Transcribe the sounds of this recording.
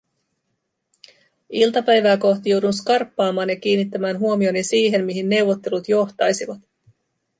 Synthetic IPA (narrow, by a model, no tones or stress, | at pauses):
ilt̪ɑpæjʋæːko̞ht̪ijo̞wdunskɑrpːɑːmɑːnjɑkiːnit̪ːæmæːnɦuomio̞nisiːɦe̞nmiɦinːe̞wʋo̞t̪ːe̞lut̪jo̞ht̪ɑjsiʋɑt̪